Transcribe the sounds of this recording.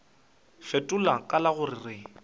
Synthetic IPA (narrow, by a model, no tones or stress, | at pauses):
fɛtʼʊlakʼalaɣʊrɪrɪ